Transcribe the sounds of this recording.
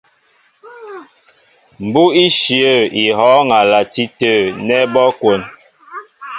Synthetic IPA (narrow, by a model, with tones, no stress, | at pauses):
m̩˨bu˦i˦ʃi˨ə˦˨i˨ɦɔ˨˦ŋa˨la˨ti˦tə˦˨nɛ˦bɔ˦kwo˨n